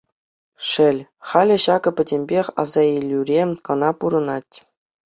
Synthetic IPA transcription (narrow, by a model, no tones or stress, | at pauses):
ʂɘ̆lʲχɑlʲɘ̆ɕɑɡɤ̆pʲɘ̆dʲemʲbʲexʲɑ̰zɑilʲːyrʲekɤ̆nɑpuɾɤ̆nɑtʲ